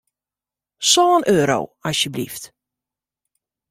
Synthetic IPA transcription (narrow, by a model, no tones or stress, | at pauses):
sɔːənʔøːɾo̰wɔsjəblḭft